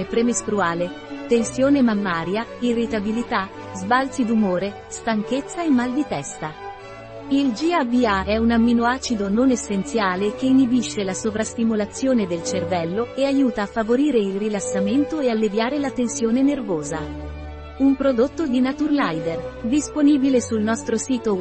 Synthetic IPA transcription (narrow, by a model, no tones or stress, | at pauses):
epɾemest̪ɾuaːle | t̪ensjoːnemamːaːɾjairːit̪abilit̪a | zbalt̪sid̪umoːɾe | st̪aŋk̟et̪sːaemːald̪it̪ɛst̪a | ild͡ʒiabiaɛunamːinoaːt͡ʃid̪ononesːent̪sjaːlek̟einibiʃːelasovɾast̪imolat̪sːjoːned̪elt͡ʃervɛlːoeajuːt̪aːfːavoɾiːɾeilrilasːament̪oealːevjaːɾelat̪ensjoːnenervoːza | umpɾod̪ot̪ːod̪inat̪urlajd̪erd̪isponiːbilesulnɔst̪ɾosiːt̪o